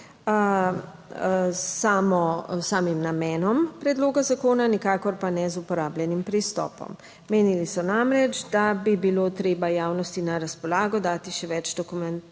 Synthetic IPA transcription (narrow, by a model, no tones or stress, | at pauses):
saːmɔsaːmimnamɛːnɔmpɾɛd̪loːɡazakoːnanikaːkɔɾpanɛzupɔɾaːblʲjɛnimpɾist̪ɔ̰ːpɔ̰mː | eːnilisɔnamɾɛd͡ʒd̪abibiloːt̪ɾeːbajaːwnɔst̪inaɾaspɔlaːɡɔd̪aːt̪iʃɛʋɛd͡ʒd̪ɔkumɛnt̪